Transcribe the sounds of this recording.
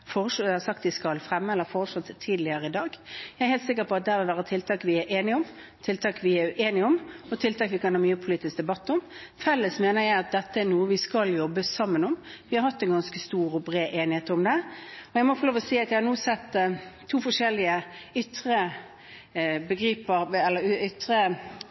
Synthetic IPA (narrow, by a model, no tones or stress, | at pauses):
foːʁəʂhɑsɑk̚t̪ʋɪskɑlfɾɛmːəɛlːəɾfoːɾəʂɔt̪ʰːiːd̪lɪəɾəɪd̪ɑːɡjæɪɛɾheːlt̪sɪk̬ːəɾpʰɔɑt̪̚d̪æʋɪlʋæːɾət̪ʰɪlt̪ʰɑːkʋɪæɾʔeːnɪɔm | t̪ʰɪlt̪ʰɑːkʋɪæeːnɪɔmɔt̪ʰɪlt̪ʰɑːkʋɪkɑnhɑːɾmyːəpʰʊliːt̪ɪsk̚d̪ɛbɑt̪ːɔmfɛlːəsmeːnəjæɪɑt̪̚d̪ɛt̪ːəænuːəʋɪskɑljɔbːəsɑmːənɔmʋɪhɑɾhɑt̪ːɛnɡɑnskəst̪uːɾɔbɾeːʔeːnɪheːt̪əɾʊmd̪ɛɔjæɪmɔfɔɾloːʋɔsiːɑt̪jæɪhɑɾnuːsɛt̪ːt̪ʰːuːfɔʂɛlɪəʏt̪ʁə | bəɡɾiːpəɾɛlːəɾʏt̪ɾə